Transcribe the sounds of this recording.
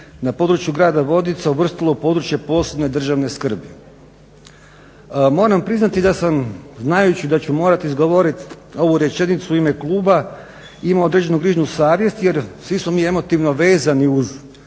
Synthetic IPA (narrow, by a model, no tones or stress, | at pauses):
napo̞ːd̪ɾut͡ɕjuɡɾaːd̪aʋo̞d̪it̪sauʋr̩st̪ilˠopo̞d̪ɾut͡ɕje̞po̞ːse̞bne̞d̪r̩ʒaʋne̞skr̩bi | mo̞ːɾampɾiznat̪id̪asamznajut͡ɕid̪at͡ɕumo̞ːɾat̪izɡoʋo̞ɾit̪o̞ʋuɾe̞t͡ɕenit̪suuime̞klˠuːba | imao̞d̪ɾe̞d͡ʑe̞nuɡɾiːʒnusaːʋje̞st̪je̞ɾsʋismomiːe̞mo̞t̪iʋno̞ʋe̞ːzaniuz